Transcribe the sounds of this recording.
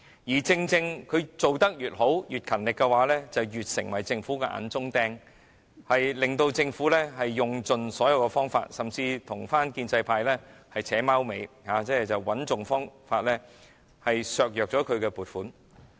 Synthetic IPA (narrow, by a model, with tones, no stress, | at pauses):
jiː˨˩t͡sɪ˧ŋt͡sɪ˧ŋkʰɵ˨˧ɥt͡so˨wt̪ɐ˥k̚jyː˨t̚ho˨˥wjyː˨t̚kʰɐ˨˩nlɪ˨kːɛ˧waː˨˥lɛː˥t͡sɐ˨˩wjyː˨t̚sɪ̰˨˩ŋwɐ˨˩jt͡sɪ˧ŋfuː˨˥kɛ˧ʔa̰ː˨˥nt͡sʊ˥ŋt̪ɛː˧ŋ | hɐ˨jlɪ˨ŋt̪o˧wt͡sɪ˧ŋfuː˨˥lɛː˥ɦɐ˨jːʊ˨ŋt͡sɵ˨nsɔː˨˥jɐ˧wkɛ˧fɔː˥ŋfa̰ː˧t̚sɐ˨˩mt͡siː˧t̪ʰʊ˨˩ŋfaː˥nkiː˧nt͡sɐ˧jpʰaː˧jlɛː˥hɐ˨jt͡sʰɛː˨˥maː˥wme˨˧jhaː˨˧t͡sɛː˥˨t͡sɐ˨˩wwɐ˨˥nt͡sʊ˨ŋfɔː˥ŋfaː˧t̚lɛː˥ | hɐ˨jsœː˨˧k̚jœː˨k̚t͡sɔː˨˥kʰɵ˨˧ɥkɛ˧puː˨˩t̚fuː˨˥n